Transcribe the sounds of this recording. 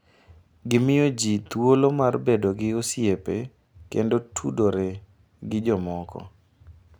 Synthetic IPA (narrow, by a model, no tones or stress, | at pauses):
ɡɪmɪjod͡ʒit̪wolomarbedoɡɪosjepe | kendotʰudoɾe | ɡɪd͡ʒɔmɔkɔ̰